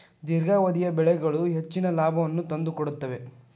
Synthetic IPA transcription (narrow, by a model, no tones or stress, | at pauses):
d̪iɾɡaːʋɐd̪ijɐbɛɭɛɡɐɭuɦet͡ʃːinɐlaːbʱɐʋɐnːut̪ɐnd̪ukoɽut̪ːɐʋe̞